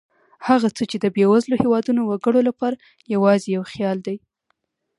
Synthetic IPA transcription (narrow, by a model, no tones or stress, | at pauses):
haɣat͡sət͡ʃed̪əbewazlohewɑd̪unowaɡəɽolapɑɾa | jawɑzejawxjɑld̪aj